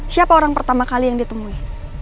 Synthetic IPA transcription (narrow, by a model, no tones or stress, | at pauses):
siapaoɾaŋpərt̪amakalijaŋdiat̪əmui